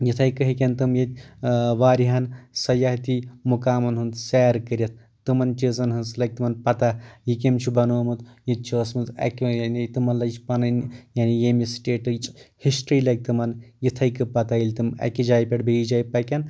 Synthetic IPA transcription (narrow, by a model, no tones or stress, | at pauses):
jit̪ʰɐjkɨɦikʲɐnt̪ɨmjɐt̪̚ʲʋaːɾiɦɐnsɐjaɦt̪imukaːmɐnɦunt̪sɛːɾkɨɾʲɐt̪̚ʰ | t̪ɨmɐnt͡ʃizɐnɦɨnslɐk̚t̪ɨmɐnpɐt̪ajik̬emt͡ʃʰubɐnoːmɨt̪jit̪̚t͡ʃʰuɐsmɨt̪ɐ̰kʲjanit̪ɨmɐnlɐt͡ʃʰpɐnɐnjanijemisʈeːʈɨt͡ʃʼhisʈɾiːlɐk̚t̪ɨmɐnjit̪ʰɐjkɨpɐt̪ailʲt̪ɨmɐ̰kid͡ʒaːjpʲeʈbejid͡ʒaːjpɐkʲɐn